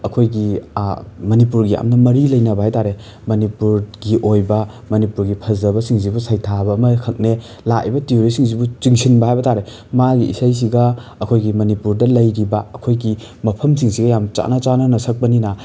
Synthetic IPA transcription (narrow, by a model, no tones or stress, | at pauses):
ɐkʰojɡi | mɐnipuɾɡia̰mnɐmɐɾilɐjnɐbɐhajtaɾe | mɐnipuɾɡiʔojbɐ | mɐnipuɾɡipʰɐzɐbɐsiŋzibusajtʰabɐːmɐkʰɐk̚ne | lakḭbɐtioɾisiŋzibut͡ʃiŋsinbɐhajbɐtaɾe | maɡiḭsajs̬iɡɐɐkʰojɡimɐnipuɾdɐlɐjɾibɐɐkʰojɡi | mɐpʰɐmsiŋsiɡɐjamt͡ʃa̰nɐt͡ʃanɐnɐsɐk̚pɐninɐ